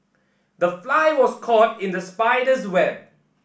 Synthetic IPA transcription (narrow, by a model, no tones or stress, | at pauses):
dəflaɪwɔskʰɔtɪ̃ndəspaɪdəswɛb̚